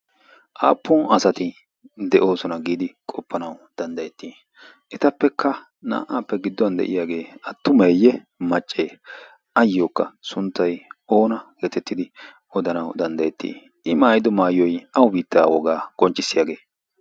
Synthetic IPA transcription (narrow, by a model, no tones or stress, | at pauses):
ʔaːpʰːɔnɐsɐt̪ɪ | d̪ɛʔo̞ːsɔnɐɡiːd̪ɪkʼɔpːɐnɐwd̪̥ɐnd̪ɐjɛt̪ːiː | ʔɪt̪ɐpːɛkʰːɐ | na̰ːʔaːpːɛɡɪd̪ːɔɐnd̪ɛ̰ʔɪ̰jaːɡe̞ːɐt̪ːʊmɛjːɛ | mɐt͡ʃʼːeː | ɐjːoːkːɐ̰sʊnt̪ːɐjo̞ːnɐjɛt̪ɛt̪ːɪd̪ɪ | ɔd̪ɐnɐwd̪ɐnd̪ɐjɛt̪ːḭː | ʔɪmaːjɪd̪ɔmaːjɔjʔɐwʊbiːt̪ːaːwɔɡaːkʼɔnt͡ʃʼːɪsːɪjaːɡe̞ː